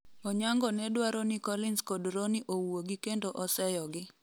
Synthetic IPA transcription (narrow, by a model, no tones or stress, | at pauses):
ɔɲaŋɡɔnɛdwaɾɔnikɔlɪnskodɾoniʔowoɡikendoʔɔsɛjɔɡɪ